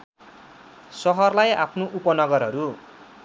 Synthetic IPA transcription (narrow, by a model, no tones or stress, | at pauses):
sʌɦʌrlaja̰pʰnoʔupʌnʌɡʌrɦʌɾu